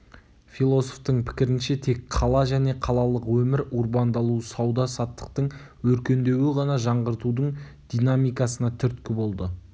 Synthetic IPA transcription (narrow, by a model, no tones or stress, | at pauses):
fijlˠo̞soft̪əɴpʰɪ̥kʲɪɾɪnʃe̞t̪ʰe̞kqʰɑlˠɑʒæne̞qʰɑlˠɑlˠəqwɵmɪɾuɾbɑnd̪ɑlˠusɑwd̪ɑsɑt̪ːə̥qt̪əɴ | wɵɾkʲe̞nd̪e̞wɪʁɑnɑʒɑɴʁəɾt̪ud̪əɴ | d̪̥ijnamijkɑsənɑt̪ʰʏɾt̪kʲɪbo̞lˠd̪ə